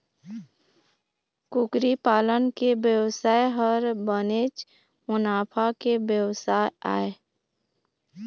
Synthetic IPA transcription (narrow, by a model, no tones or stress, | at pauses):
kʊkɾipaːlənkebjəwsaːeɦəɾbəneːt͡ʃ | mʊnaːpʰakebjəwsaːja̰ːe